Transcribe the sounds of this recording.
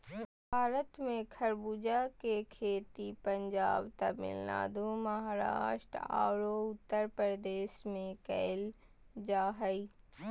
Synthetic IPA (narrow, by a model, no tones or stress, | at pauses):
bʱaːɾət̪mẽkʰɐɾbuːd͡ʒakekʰeːt̪ipɐ̃ɲd͡ʒaːbt̪ɐmɪ̰lna̰ːd̪umɐɦaːɾa̰ːʃʈɾa̰ːwɾoʊt̪ːəɾpəɾd̪eːʃmẽkɛ̰ːl | d͡ʒaːɦəi